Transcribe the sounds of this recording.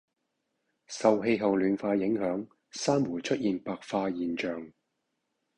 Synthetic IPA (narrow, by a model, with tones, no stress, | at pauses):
sɐ˨wɦe˧jɦɐ˨wlyː˨˧nfaː˧jɪ˨˥ŋhœː˨˥ŋ | saː˥mwuː˨˩jt͡ʃʰɵ˥t̚jiː˨˩npaː˨k̚faː˧jiː˨nt͡ʃœː˨ŋ